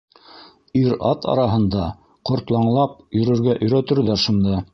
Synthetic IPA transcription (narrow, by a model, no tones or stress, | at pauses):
iɾɑ̰t̪ɑ̰ɾɑɦɤ̆nd̪ɑ | qŏɾt̪lˠɑɴlˠɑp̚jɵ̆ɾɵ̆ɾɡæʔɵ̆jɾæt̪ɵ̆ɾðæɾʃund̪ɑ